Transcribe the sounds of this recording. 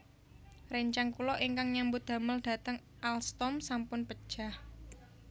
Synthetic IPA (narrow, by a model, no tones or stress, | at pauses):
rɛɲt͡ʃaŋkulɔʔiŋkaŋɲambʊt̪̚d̪̥a̤məld̥ä̤t̪əŋ | ʔalst̪ɔmsampʊnpəd̥ʒ̥ah